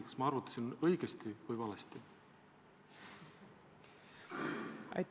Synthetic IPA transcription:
kɑ̥smɑɑɾvut̪ːˑɑ̥sʲinɤjɡ̥est̪ivɨjvɑlest̪i | ɑ̰j

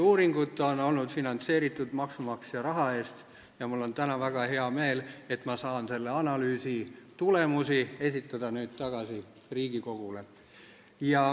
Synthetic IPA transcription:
uːɾiŋɡ̥ut̪ːˑo̞no̞lnud̪̥finɑnt̪se̞ːɾit̪ːˑud̪̥mɑksumɑksjɑɾɑɦɑe̞ːst̪ | jɑmulːo̞nt̪ænɑvæɡ̥ɑhe̞ɑme̞ːle̞t̪ːˑmɑsɑːnse̞lːe̞ɑnɑlyːsit̪ule̞musie̞s̬ʲit̪ːˑɑd̪̥ɑnyːd̪̥̚t̪ɑɡ̥ɑsi | riːɡ̥iko̞ɡ̥ule̞ | jɑ

